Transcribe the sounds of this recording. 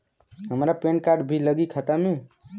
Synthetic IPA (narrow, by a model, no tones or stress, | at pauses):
ɦəmɾapenkaɾɖbʱiləɡikʰət̪ami